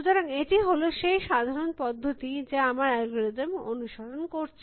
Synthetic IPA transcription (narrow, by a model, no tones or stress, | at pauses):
ud͡ʑ̪ɔɾaŋeʈiɦoloʃejʃad̪ʱaɾonpɔd̪ʱːot̪id͡ʑeamaɾɛɡoɾed̪emo̰nuʃoɾonkoɾt͡ɕʰ